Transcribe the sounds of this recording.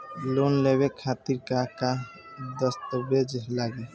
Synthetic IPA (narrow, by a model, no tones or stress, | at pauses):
lonleβekʰat̪iɾkaka | d̪əst̪əbed͡ʒɦlaɡe